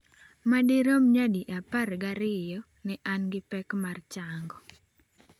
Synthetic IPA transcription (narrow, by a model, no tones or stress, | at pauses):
madiɾomɲadiʔaparɡaɾɪjɔ | nɪʔanɡɪpɛkmart͡ʃaŋɡɔ